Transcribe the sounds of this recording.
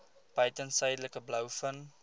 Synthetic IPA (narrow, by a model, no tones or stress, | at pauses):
pəjtənsəjdələkəbləwfən